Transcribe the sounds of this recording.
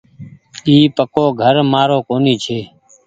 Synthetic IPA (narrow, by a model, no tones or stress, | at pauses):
iːpəkoːɡʱəɾmaːɾoːkoːniːt͡ʃʰeː